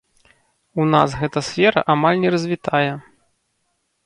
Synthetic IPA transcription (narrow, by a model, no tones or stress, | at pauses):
una̰sɣɛt̪ɐsʲfʲɛɾɐ̰ʔamalʲnʲɛɾɐzʲvʲit̪ʰajɛ